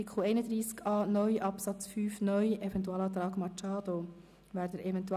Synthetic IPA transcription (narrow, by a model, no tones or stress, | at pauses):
ikχl̩ɛɪnəd̪ɾiːskɑːnœʏʔɑpsɑt͡sfyːfnœʏʔɛvɛnt̬uɑːlɑːt̪̬ɾɑːɡmɑt͡ʃɑːd̪o | væːɾd̪əɾʔɛvɛnt̪u